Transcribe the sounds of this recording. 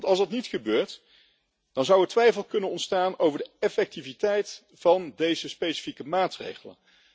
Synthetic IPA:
ntɑlˠsdɑtnitχəbøːɹt | d̥ɑnzʌwətʋɛjfəlˠkɵnənɔntstaːnowvəɹdəɛfɛk̚tivitɛjt | fɑndejzəspejsi̥fikəmaːtrḛjχələ̰n

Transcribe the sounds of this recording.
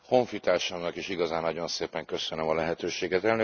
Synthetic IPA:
ho̞ɱfit̪aːrʃɒmnɒkiʃiɡɒzaːnːɒɟo̞nseːpɛŋkø̞sønømɒlɛɦɛt̪øːʃeːɡɛt̪ɛlnø

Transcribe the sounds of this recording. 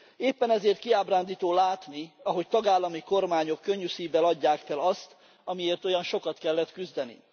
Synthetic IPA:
eːpːɛnɛzeːrt̪kiaːbraːnd̪iːt̪oːlaːt̪niɒɦo̞ct̪ɒɡaːlːɒmiko̞rmaːɲo̞kːø̞ɲːysiːvɛlɒɟːaːkfɛlɒst̪ | ɒmieːrt̪o̞jɒnʃo̞kɒt̪kɛlːɛt̪kyzd̪ɛnḭ

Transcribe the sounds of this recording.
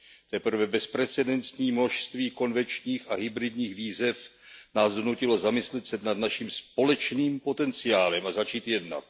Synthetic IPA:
t̪ɛpr̩vɛbɛspɾɛt͡sɛdɛnt̪ɲiːmno̞ʃst̪viːko̞nvɛnt͡ʃɲiːxaɦɪbɾɪdɲiːxviːzɛfnaːzdo̞nucɪlo̞zamɪslɛt̪sɛdnad̪naʃimspo̞lɛt͡ʃniːmpo̞t̪ɛnt͡sɪaːlɛmazat͡ʃiːt̪jɛdna̰t̪̚

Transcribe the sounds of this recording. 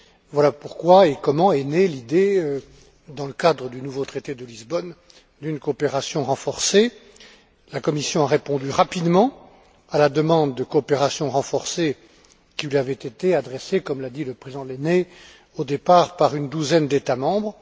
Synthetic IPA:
vwalapuʁkwaekɔmɑ̃enelid̪eø | d̪ɑ̃ləkad̪ʁəd̪ynuvot̪χet̪ed̪əlizbɔn | d̪ynkoːpeʁasjɔ̃ʁɑ̃fɔʁse | lakɔmisjɔ̃aʁepɔ̃d̪yʁapid̪mɑ̃ | alad̪əmɑ̃d̪ːəkoːpeʁasjɔ̃ʁɑ̃fɔʁse | kʲilɥiavɛt̪et̪ead̪ʁɛsekɔmlad̪iləpχezid̪̃d̪lene | od̪epaʁpaʁynd̪uzɛnd̪et̪amɑ̃bʁ

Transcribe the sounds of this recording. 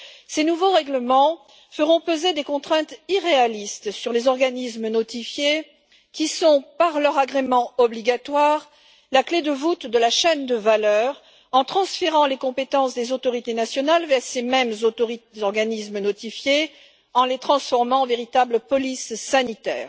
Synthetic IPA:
senuvoʁɛɡləmɑ̃ | fəʁɔ̃pozed̪ekɔ̃t̪χɛ̃t̪iʁealist̪syʁlezɔʁɡanismnɔt̪ifje | kʲisɔ̃paʁlœʁaɡʁemɑ̃ɔbliɡat̪waʁ | lakled̪əvut̪d̪əlaʃɛnd̪əvalœʁ | ɑ̃t̪χɑ̃sfeʁɑ̃lekɔ̃pet̪ɑ̃sd̪ezot̪ɔʁit̪enasjɔnalvɛʁsemɛmzoʁizɔʁɡanismənɔt̪ifje | ɑ̃let̪χɑ̃sfɔʁmɑ̃veʁit̪abləpɔlisːanit̪ɛ̰ːʁ

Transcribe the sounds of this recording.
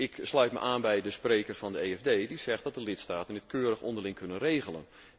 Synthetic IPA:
ɪkslœɥt̚mə̰ʔaːnbɛjdəsprejkərfɑndəeːɛvdeːdizɛxt̚dɔt̚dəlɪtstaːtəndɪtkʰøːɾəxɔ̰ndərlɪŋkʰønənreːɣələn

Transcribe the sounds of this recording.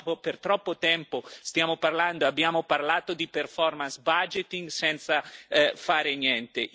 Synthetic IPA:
opert̪ɾɔpːot̪ɛmpost̪jaːmoparland̪oeabːjaːmoparlaːt̪od̪iperfɔrmansbad͡ʒet̪iŋɡsɛnt̪safaːɾenjɛnt̪e

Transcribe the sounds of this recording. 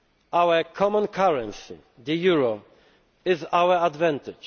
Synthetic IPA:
ʔawəkʰɔmɔ̃nkʰaɹɛ̃nsḭ | d̪əjuɹɔ | ɪzawəad̪vɛ̃nt̪ɪ̥d͡ʒ

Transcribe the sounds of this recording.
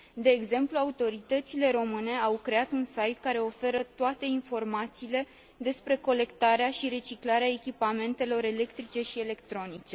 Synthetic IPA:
d̪e̞ːɡze̞mpluaut̪o̞ɾit̪ət̪sile̞ɾo̞mɨne̞awkɾe̞at̪unsajt̪kaɾe̞o̞fe̞ɾət̪oat̪e̞info̞rmat̪siːle̞ | d̪e̞spɾe̞ko̞le̞kt̪aɾeaʃiɾe̞t͡ʃiklaɾeaekʲipame̞nt̪e̞lo̞ɾe̞le̞kt̪ɾit͡ʃe̞ʃie̞le̞kt̪ɾo̞nit͡ʃe̞

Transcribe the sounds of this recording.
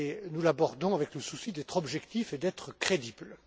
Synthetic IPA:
enulabɔʁd̪ɔ̃avɛkləsusid̪ɛt̪χɔbʒɛkt̪ifed̪ɛt̪χəkχed̪ibl

